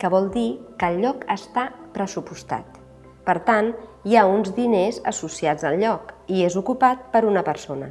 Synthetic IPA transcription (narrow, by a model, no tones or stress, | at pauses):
kəβ̞ɔlˠd̪ikəlʎːɔkəst̪apɾəsupust̪a̰t̪ | pəɾt̪anjaunzdinezə̰susiad͡zəlʎɔkiezukupat̪̚pəɾunəpəɾsonə̰